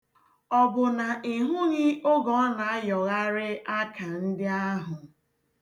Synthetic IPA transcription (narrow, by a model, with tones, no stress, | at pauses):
ɔ˨bʊ˨na˨i˨ɦʊ˦ɲi˦o˦ɡɔ˨˦na˨a˦jɔ˨ɣa˦ɾɪ˦a˦ka˨n̩˦dɪ˦a˦ɦʊ˨